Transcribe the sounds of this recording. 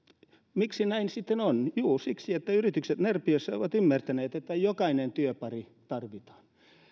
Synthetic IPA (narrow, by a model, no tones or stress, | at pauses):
miksinæinsit̪ːenonjuːsiksiet̪ːæyrit̪ykset̪nerpiøsːæo̰ʋɑt̪ymːært̪æneːt̪et̪ːæjokɑinent̪yøpɑri | t̪ɑrʋit̪ɑ̥ːn